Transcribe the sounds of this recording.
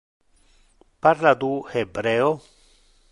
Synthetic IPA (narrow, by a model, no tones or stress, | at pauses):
paɾlad̪uhebɾeo